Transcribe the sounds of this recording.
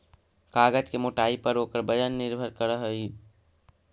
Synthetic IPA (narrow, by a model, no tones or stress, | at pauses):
kaːɡəd͡ʒkemoʈaːipəɾoːkəɾbəd͡ʒənːɪɾbʱəɾkəɾəɦəi